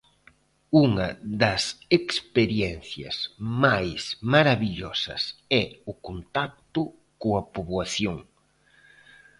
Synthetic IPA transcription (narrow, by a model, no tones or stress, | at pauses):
uŋɐðɐsekspeɾjɛnθjɐ̰smajsmaɾaβiʎɔsɐ̰sɛʊkont̪ak̚t̪ʊ | koɐpoβwaθjoŋ